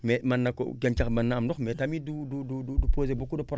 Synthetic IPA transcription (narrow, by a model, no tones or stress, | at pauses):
memanːako̰ɡent͡ʃakmanːaːmdɔkmetamidududududupoːzebukudopuɾ